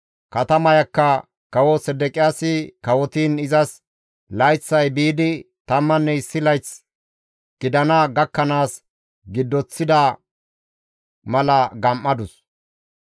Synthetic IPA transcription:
kɐt̪ɐmɐjɐkːɐ | kɐwɔsɛd̪ɛkʼɪjaːsɪkɐwɔt̪iːnɪzɐs | lɐjt͡sːɐjbiːd̪ɪ | t̪ɐmːɐnːɛɪsːɪlɐjt͡s | ɡ̥ɪd̪ɐnɐɡɐkːɐnaːs | ɡɪd̪ːɔt͡sːɪd̪ɐ | mɐlɐɡɐmʔːɐd̪ʊs

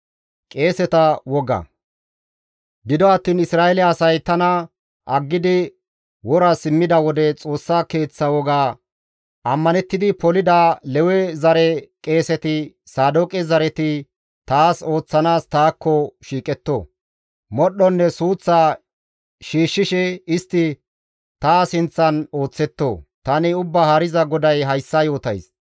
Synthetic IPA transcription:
kʼe̞ːsɛt̪ɐwɔɡɐ̰ | ɡɪd̪ɔɐt̪ːiːnɪsɾaːʔɛlɛɐsɐjt̪ɐnɐ | ʔɐɡːɪd̪ɪ | wɔɾɐsɪmːɪd̪ɐwɔd̪ɛt͡sʼo̞ːsːake̞ːt͡sːɐwɔɡaː | ɐmːɐnɛt̪ːɪd̪ɪpɔlɪd̪alɛwɛzɐɾɛkʼe̞ːsɛt̪ɪ | saːd̪ɔkʼɪzɐɾɛt̪ɪ | t̪aːso̞ːt͡sːɐnaːst̪aːkːɔʃiːkʼɛt̪ːoː | mɔɗːɔnːɛsuːt͡sːa | ʃiːʃːɪʃɛɪst̪ːɪ | t̪aːsɪnt͡sːɐno̞ːt͡sːɛt̪ːo̰ːt̪ɐnɪʊbːɐhɐɾɪzɐɡɔd̪ɐjɦɐjsːɐjo̞ːt̪ɐ̰js

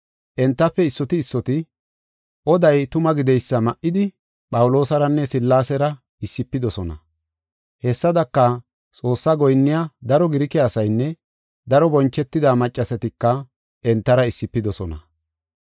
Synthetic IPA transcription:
ʔɛnt̪ːɐpːɛɪsːɔt̪ɪːsːɔt̪ɪ | ʔɔd̪ɐjt̪ʊmɐɡɪd̪ɛjsːɐmɐʔːɪd̪ɪ | pʼɐwʊlo̞ːsɐɾɐnːɛsɪlːaːsɛɾɐ | ɪsːɪpːɪd̪ɔsɔnɐ̰ | hɛsːɐd̪ɐkːɐ | t͡sʼo̞ːsːaɡɔjnːɪjad̪ɐɾɔɡɪɾɪkɛːsɐjnːɛ | d̪ɐɾɔbɔnt͡ʃːɛt̪ːɪd̪aːmɐt͡ʃʼːɐsɛt̪ɪkːɐ | ʔɛnt̪ːɐɾɐɪsːɪpːɪd̪ɔsɔnɐ̰

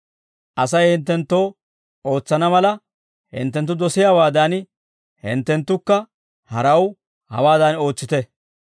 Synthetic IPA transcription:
ʔɐsɐjhɪnt̪ːɛnt̪ːo̞ː | o̞ːt͡sːɐnɐmɐlɐ | hɪ̰nt̪ːɛnt̪ːʊd̪ɔsɪjaːwaːd̪ɐːn | hɪ̰nt̪ːɛnt̪ːʊkːɐ | hɐɾɐw | hɐ̰waːd̪ɐno̞ːt͡sːɪt̪ɛ

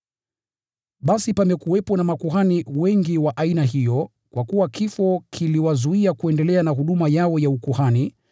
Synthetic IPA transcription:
ɓasipamɛkuwɛpɔnamakuɦaniwɛŋɡiwaʔainaɦijɔ | kwʔakuwakifɔkʰiliwazuiakuɛndɛlɛanaɦuɗumajaɔjaukuhani

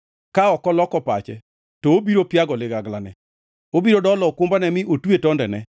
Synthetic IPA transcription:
kaɔkɔlɔkɔpa̰t͡ʃɛ̰ | toobiɾopjaɡɔlɪɡaɡlanɛ̰ | obiɾodɔlɔkʊmbanɛmɪʔotwetɔndɛnɛ̰

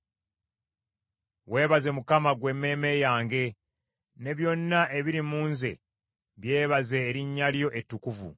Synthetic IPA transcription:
we̞ːβaze̞mukamaɡwe̞mːe̞ːme̞jaːŋɡe̞ | ne̞βjo̞nːaʔe̞βiɾimuːnze̞̰ | βje̞ːβaze̞ːɾiɲːaljo̞ʔe̞tːukuvṵ

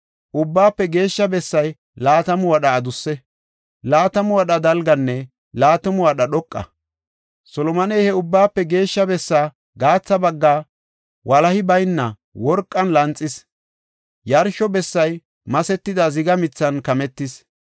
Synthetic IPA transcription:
ʔʊbːaːpːɛɡe̞ːʃːɐbɛsːɐj | laːt̪ɐmʊwɐɗɐːd̪ʊsːɛ | laːt̪ɐmʊwɐɗɐd̪ɐlɡɐnːɛ | laːt̪ɔmʊwɐɗɐɗɔkʼːɐ̰ | sɔlɔmɐnɛjhɛʊbːaːpːɛɡe̞ːʃːɐbɛsːaː | ɡaːt͡sːɐbɐɡːaː | wʔɐlɐhɪbɐjnːɐ | wɔɾkʼːɐnlɐnt͡sʼːɪs | jɐɾʃɔbɛsːɐj | mɐsɛt̪ːɪd̪ɐzɪɡɐmɪt͡sːɐnkɐmɛt̪ːɪs

